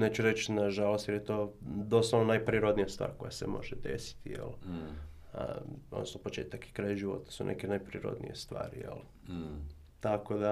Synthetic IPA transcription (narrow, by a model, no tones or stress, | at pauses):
net͡ʃuɾet͡ʃnaʒalˠost̪jeɾjet̪o̞ːd̪o̞saʋnonajpɾiɾod̪nijast̪ʋa̰ːɾko̞jasemo̞̰ʒed̪ḛsi̥t̪ijḛl | ə̰o̰d̪nosnopo̞t͡ʃe̞ːt̪aki̥kɾajaʒiʋo̞̰t̪ḁsunʔḛkenajpɾiɾo̰d̪nḭjest̪ʋa̰ːɾḭjḛl | t̪ako̞d̪a